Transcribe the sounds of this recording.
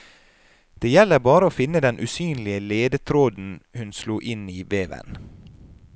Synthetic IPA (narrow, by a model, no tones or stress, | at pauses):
d̪̥eːjɛlːəɾbɑːɾəoːfɪnːəd̪ɛnʔʉːsyːnlɪəleːd̪ət̪ʰɾoːd̪n̩hʉnsluːʔɪniːʋeːʋə̰n